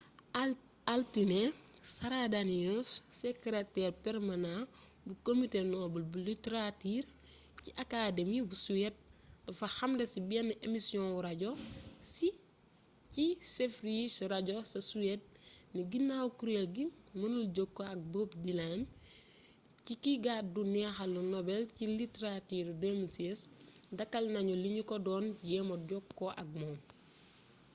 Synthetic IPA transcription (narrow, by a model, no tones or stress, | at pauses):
altinesɐɾadaniɔssekɾetɛrpɛɾmanã | bukomitenɔːbɐlbulitɾatiːr | ciʔakaːdemibusuɛt̚dɐfɐxɐmdɐsibiɛnʔemisiɔ̃wuɾɐɟɔsi | cisefɾisɾaɟɔsɐsuɛt̚niɡinːawukuɾeɡimɐnulɟokːoɐk̚boːpdilam | cikiɡat̚dunɛxɐlunɔbɛlciliteɾatiɾdemisesdɐkːɐlnɐɲɔliɲukɔdɔːnjɛmɐɟɔkːɔʔɐ̰k̚mɔːm